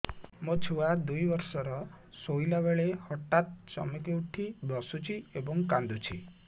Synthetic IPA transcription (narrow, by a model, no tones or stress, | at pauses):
mot͡ʃʰuwad̪ujʋɔɾsɔɾɔ | sojlaβeɭehɔʈːat̪̚t͡ʃɔ̰mekeuʈʰibɔsut͡ʃʰiebɔŋkãnd̪ut͡ʃʰḭ